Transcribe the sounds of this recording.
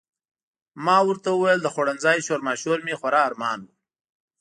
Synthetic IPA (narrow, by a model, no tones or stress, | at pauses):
mɑwəɾt̪awəwajəld̪əxoɽanzɑjʃoɾmɑʃoɾmexwaɾɑːɾmɑːnwu